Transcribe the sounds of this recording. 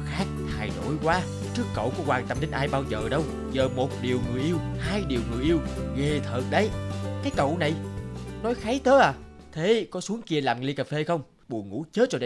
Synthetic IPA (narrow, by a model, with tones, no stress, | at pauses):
xaː˦˥k̚h̪ʰaː˧˩jɗo̰˧˥jkwaː˨˦ | t͡ɕɨ˦˥əkːə̰˧˨wku˧˩əkwaː˨˩ŋt̪ə˧mɗi˨˦ŋ̟ʔaː˧jɓaː˧wzəː˨˩ɗə˧w | zəː˨˩mo˨˩t̚ɗi˨˩əwŋɨ˨˩əjʔi˧əwhaː˧jɗi˨˩əwŋɨ˨˩əjʔi˧əwɣe˨˩t̪ʰəː˨˩t̚ɗə˨˦jkaː˨˦jkə̰˧˨wna˨˩jnɔ˨˦jxaː˨˦jt̪əː˨˦ʔaː˨˩ | t̪ʰe˨˦kɔ˨˦su˨˦əŋki˧əlaː˨˩m˨i˧kaː˨˩fe˧xə˧wŋ͡m | ɓu˨˩ŋṵ˧˥t͡ɕə˦˥t̚t͡ɕɔ˧ɗə˧